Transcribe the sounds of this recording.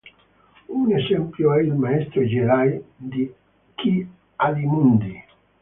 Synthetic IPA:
unezɛmpljoɛilmaɛst̪ɾod͡ʒiɾajd̪i | ki | ad̪imund̪i

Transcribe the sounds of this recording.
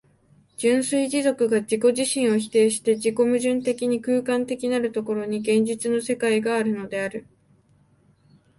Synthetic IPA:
d͡ʑɨ̃ɰ̃sɨiʑizo̞kɯ̟ɡad͡ʑiko̞ʑiɕĩɰ̃o̞çi̥t̪e̞ːɕi̥t̪e̞ʑiko̞mɯ̟ʑɨ̃nt̪e̞kʲiɲ̟ikɯ̟ːkãnt̪e̞kʲinaɾɯ̟t̪o̞ko̞ɾo̞ɲ̟iɡẽ̞ɲ̟d͡ʑit͡sɨno̞se̞kaiɡaːɾɯ̟no̞d̪e̞aɾɯ̟

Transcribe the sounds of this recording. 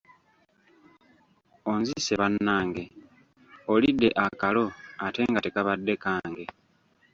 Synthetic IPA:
onzise̞βanːaːŋɡe̞ | olidːe̞ʔakalo̞ate̞ŋɡate̞kaβadːe̞kaːŋɡe̞

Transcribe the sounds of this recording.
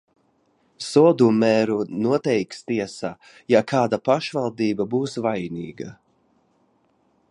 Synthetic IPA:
sɔɔd̪umɛːɾunuɔt̪ɛjkst̪iɛsaː | jakaːd̪apaʃvalˠd̪iːbabuːsvajniːɡa

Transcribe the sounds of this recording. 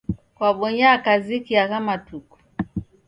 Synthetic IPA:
kwaɓɔɲaːkazikiakamatuku̥

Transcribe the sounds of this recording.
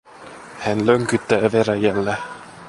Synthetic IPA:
hænløŋkyt̪ːæːveɾæjælːæ

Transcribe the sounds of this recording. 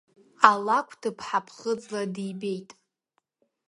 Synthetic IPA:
alakʷʰd̥ɨpʰħapʰχəd͡zʼladibejtʼ

